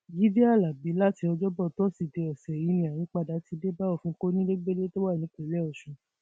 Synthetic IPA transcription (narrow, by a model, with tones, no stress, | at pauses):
ɡi˨˦de˦a˦˨la˨bi˨˦la˦ti˧ɔ˧d͡ʒɔ˦bɔ˦˨tɔ˦si˦˨de˨˧ɔ˨sɛ˨i˧˦nĩ˧˨a˨j̃ĩ˨˦k͡pa˧da˨˦ti˧de˦ba˦ɔ˦˨fũ˧˦ko˦nĩ˦de˦ɡ͡be˦le˦to˦wa˦˨nĩ˨˦ke˨˦lɛ˦ɔ˨ʃũ˨˧˦